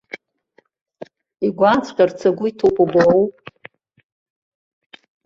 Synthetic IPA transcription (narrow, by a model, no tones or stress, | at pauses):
iɡʷant͡sʰʼqʲʼart͡sʰaɡʷʊitʰopʰʼublowpʼ